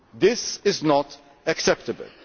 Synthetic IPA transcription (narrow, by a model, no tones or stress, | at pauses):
ðɪsɪznɔt | ɨksɛp̚təbə̰l